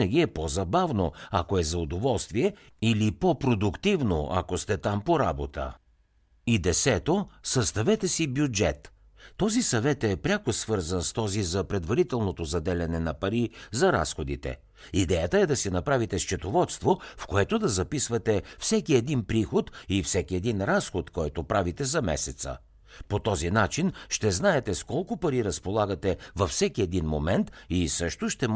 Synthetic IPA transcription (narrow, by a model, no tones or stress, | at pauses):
nɐɡ̟ʲiɛpozɐbavnoɐ̰koɛzɐʊd̪ovɔlˠst̪viɛ | ilipopɾod̪ʊkt̪ivno̰ʔɐ̰kost̪ɛt̪ampoɾabot̪ə̰ | id̪ɛsɛt̪osɐst̪ɐvɛt̪ɛsibjud͡ʒɛt̪ː | ɔzisɐvɛt̪ɛpɾʲakosvɤɾzɐnst̪ɔzizɐpɾɛd̪vɐɾit̪ɛlˠnot̪ozɐd̪ɛlʲɛnɛnɐpɐɾizɐɾa̰sxod̪it̪ɛ̰ | id̪ɛjət̪əɛd̪ɐsɛnɐpɾavit̪ɛst͡ʃɛt̪ovɔt̪st̪vofkoɛt̪od̪ɐzɐpisvɐt̪ɛfsɛkiɛd̪inpɾixot̪ifsɛkiɛd̪inɾasxot̪kɔjt̪opɾavit̪ɛzɐmɛ̰sɛt̪sə̰ | pot̪ɔzinat͡ʃinʃt̪ɛznaɛt̪ɛskɔlˠkʊpɐɾiɾɐspolˠaɡət̪ɛvɐfsɛkiɛd̪inmomɛnt̪isɤʃt̪oʃt̪ɛm